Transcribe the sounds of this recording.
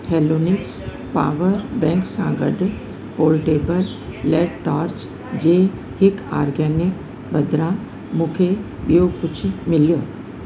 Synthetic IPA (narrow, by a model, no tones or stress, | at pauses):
hɛːloːnɪks | pa̰ːʋəɾbɛ̃ːŋksã̰ɡə̰ɖ | poːlʈeːbəlː | ɛːɖʈaːɾt͡ʃ | d͡ʑeː | hɪka̰ːɾɡɛːnɪk | bɐd̪ɾã | mũːkʰe | ɓijokʊt͡ɕʰmɪljo